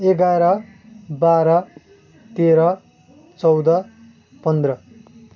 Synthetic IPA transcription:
eɡaɾʌ | baɾʌ | t̪eɾʌ | t͡sʌwd̪ʌ | pʌnd̪rʌ

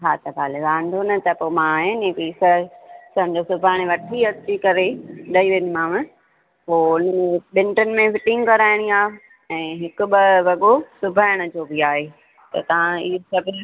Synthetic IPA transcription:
ɦaːt̪ɐbʱaːleʋãːɳɖʱonɐt̪ɐpoːmãːɦenĩpiːsɐsɐmd͡ʑosʊbʱaːɪɽ̃eʋɐʈʰiɐt͡ɕikɐɾeɗɐiʋɪnmãʋɪ̃ | poːʊnẽɓɪ̃nʈənɪ̆mẽfɪʈɪ̃ŋɡkɐɾaːɪɽ̃iaː | ɛ̃ːɦɪkʊ̆bɪʋɐɠosʊbʱaːɪɽ̃ʊ̆d͡ʑoːbʱiaːɦeː | t̪ɐ̰t̪ɐʋ̤ãiːsɐbʱɪ

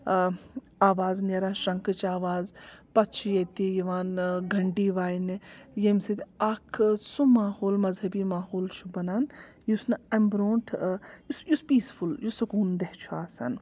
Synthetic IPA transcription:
aːʋaːzneɾaːnʃɐ̃ŋkɨt͡ʃaːʋaːzpɐtt͡ʃʰijet̪ijiʋaːnɡʱɐɳɖiːʋaːjinjemset̪ʲakʰsumaːhoːlmɐzɦɐbiːmaːhoːlt͡ʃʰu̥bɐnaːn | jusnɐmbɾõːnʈʰjusjuspiːsfuljusɐkuːnd̪eht͡ʃʰuaːsɐ̰n

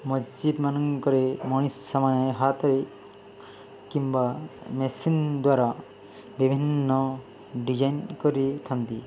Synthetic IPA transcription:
məd͡ʑid̪manəŋkəɾemoɽ̃isːamanaɦat̪əɾe | kĩmʋamesind̪ʋaɾa | bibʱinːə | ɖid͡ʑajnkəɾit̪ʰant̪i

